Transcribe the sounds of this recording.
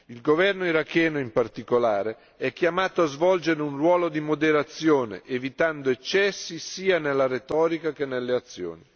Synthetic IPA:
ilɡovɛrnoiɾakːɛːnoimpart̪ikolaːɾe | ɛkːjamaːt̪oazvɔld͡ʒeɾeunrwɔːlod̪imod̪eɾat̪sːjoːnḛʔevit̪and̪oet͡ʃːɛsːisiːanelːaɾet̪ɔːɾikak̟enːelːeat̪sːjo̰ːni

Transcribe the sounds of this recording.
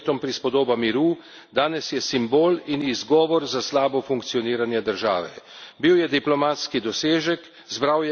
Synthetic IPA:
t̪ɔmpɾispɔd̪oːbamiɾu | d̪aːnɛsjɛsimboːlinizɡɔːʋɔɾzaslaːbɔfuŋkt̪sijɔniːɾanjɛd̪əɾʒa̰ːʋɛ̰biwjɛd̪iplɔmaːt̪skid̪ɔseːʒɛk | zbɾawjɛ

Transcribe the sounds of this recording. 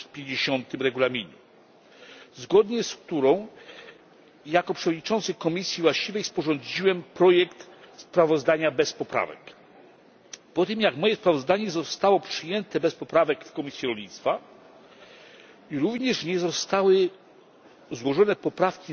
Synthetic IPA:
pʲjeɲd͡ʑeɕɔnt̪ɘmɾɛɡulamʲiɲu | zɡɔd̪ɲɛskt̪uɾɔ̃w̃ | jakɔpʂɛvɔd̪̚ʲɲit͡ʂɔ̃nt̪sɘkɔmʲisʲjivwaɕt͡ɕivɛjspɔʐɔ̃nd͡ʑiwɛmpɾɔjɛkt̪spɾavɔzd̪aɲabɛspɔpɾa̰vɛ̰k | pɔt̪ɘmjakmɔjɛspɾavɔzd̪aɲɛzɔst̪awɔpʂɘjɛnt̪ɛbɛspɔpɾavɛkfkɔmʲisʲjiɾɔlʲɲit̪st̪fa | iɾuvɲɛʂɲɛzɔst̪awɘ | zwɔʐɔnɛpɔpɾafkʲi

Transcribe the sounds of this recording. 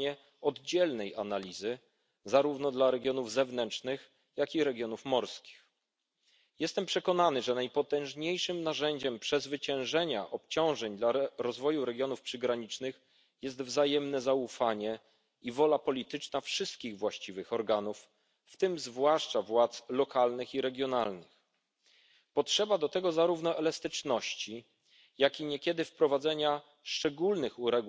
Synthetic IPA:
ɛ | ɔd̪d͡ʑɛlnɛja̰nalʲizɘ | zaɾuvnɔd̪laɾɛɡʲjɔnuvzɛvnɛnt͡ʂnɘx | jakʲiɾɛɡʲjɔnufmɔɾskʲi̥x | jɛst̪ɛmpʂɛkɔnanɘʐɛnajpɔt̪ɛ̃w̃ʐɲejʂɘmnaʐɛɲd͡ʑɛmpʂɛzvɘt͡ɕɛ̃w̃ʐɛɲa̰ʔɔpt͡ɕɔ̃w̃ʐɛɲd̪laɾɔzvɔjuɾɛɡʲjɔnufpʂɘɡɾaɲit͡ʂnɘx | jɛs̬t̪vzajɛmnɛzaufaɲɛ | ivɔlapɔlʲit̪ɘt͡ʂnafʂɘst̪̚kʲiɣvwaɕt͡ɕivɘxɔɾɡanufː | t̪ɘmzvwaʂt͡ʂavwat̪slɔkʰalnɘxiɾɛɡʲjɔnalnɘx | pɔtʂɛbad̪ɔt̪ɛɡɔzaɾuvnɔʔɛlast̪ɘt͡ʂnɔɕt͡ɕi | jakʲiɲɛkʲɛd̪ɘfpɾɔvad̪zɛɲa | ʂt͡ʂɛɡulnɘxuɾɛɡ

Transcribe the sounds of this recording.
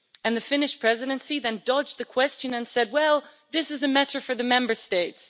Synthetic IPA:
ɨ̃nðɨfɪ̃nɨʃpʰɹ̥ɛzɨɾɨ̃nsiðɨ̃ndʌd͡ʒðɨkʰw̥ɛst͡ʃɨ̃nɨ̃nsɛd̚wɛlˠ | ðɪsɨzɨmɛɾə˞fə˞ðɨmɛ̃mbə˞steɪts

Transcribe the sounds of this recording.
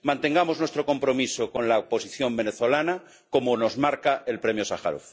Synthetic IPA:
mãnt̪e̞ŋɡamoznwest̪ɾo̞ko̞mpɾo̞misokonlaopo̞siθjo̞mbeneθo̞lana | komono̞zmaɾkaelpɾemjosaxa̰ɾo̰θ

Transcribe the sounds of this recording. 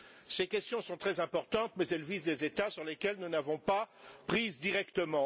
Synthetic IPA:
sekʲɛst̪jɔ̃sɔ̃t̪χɛzɛ̃pɔʁt̪ɑ̃t̪mɛzɛlvizd̪ezet̪asyʁlekʲɛlnunavɔ̃papχizd̪iʁɛkt̪əmɑ̃

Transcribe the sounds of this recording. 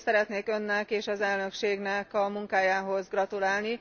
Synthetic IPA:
sɛɾɛt̪neːkø̞nːɛkeːʃɒzɛlnø̞kʃeːɡnɛkɒmuŋkaːjaːɦo̞zɡrɒt̪ulaːlni

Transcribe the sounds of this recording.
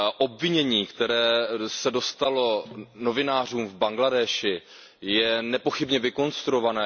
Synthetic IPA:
ʔo̞bvɪɲɛɲiːkt̪ɛɾɛːsɛdo̞st̪alo̞no̞vɪnaːr̝uːmvbaŋɡladɛːʃɪ | jɛnɛpo̞xɪbɲɛvɪko̞nst̪ɾuovanɛː

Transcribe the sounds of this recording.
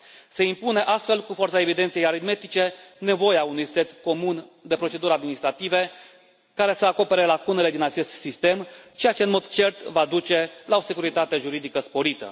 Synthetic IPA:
se̞impuneʔast̪fe̞lkufo̞rt̪saevid̪e̞nt̪sijejaɾid̪me̞t̪it͡ʃe̞ne̞vo̞jaunujse̞t̪ko̞mund̪e̞pɾo̞t͡ʃe̞d̪uɾad̪minist̪ɾat̪ive̞ | kaɾe̞səako̞pe̞ɾe̞lakune̞le̞d̪inat͡ʃe̞st̪sist̪e̞mt͡ʃejat͡ʃe̞ɨnmo̞d̪t͡ʃe̞rt̪vad̪ut͡ʃe̞lao̞se̞kuɾit̪at̪eʒuɾid̪ikəspo̞ɾit̪ə̰

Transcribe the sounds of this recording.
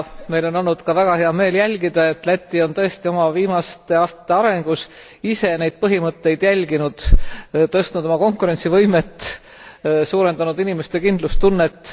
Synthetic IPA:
me̞jlo̞no̞lnːud̪̥kɑvæɡ̥ɑhe̞ɑme̞ːljælʲɡ̥id̪̥ɑe̞t̪læt̪ʲːˑio̞nt̪ɤ̞e̞st̪io̞mɑviːmɑst̪e̞ɑːst̪ɑ̥t̪ːeɑɾe̞ŋɡ̥us | ise̞ne̞jd̪̥̚pɤɦimɤt̪ːe̞jd̪̥jælʲɡinud̪̥t̪ɤst̪nud̪̥o̞mɑko̞ŋkuɾe̞nʲt̪sivɤjmet̪ː | suːɾe̞nd̪ɑnud̪inimest̪ekind̪lust̪unːe̞t̪ːˑ

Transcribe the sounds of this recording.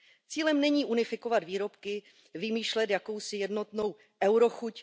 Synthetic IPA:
t͡siːlɛmnɛɲiːʔunɪfɪko̞vad̪viːɾo̞pkɪ | vɪmiːʃlɛt̪jako̞wsɪjɛdno̞t̪no̞w | ʔɛwɾo̞xuc

